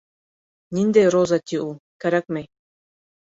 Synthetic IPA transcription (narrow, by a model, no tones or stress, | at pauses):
nʲind̪ejɾozat̪ʲiʔukæɾæk̚mej